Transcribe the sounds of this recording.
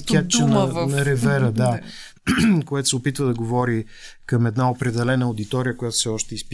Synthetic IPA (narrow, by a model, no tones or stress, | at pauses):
k̪ʲjakt͡ʃɛnɐnɐɾɛvɛɾəd̪a | koɛt̪ʊ̥sɛopit̪vəd̪ɐɡovɔɾi | kɐmɛd̪naopɾɛd̪ɛlɛnəod̪it̪ɔɾiəkojat̪o̥fsɛɔʃt̪ɛisp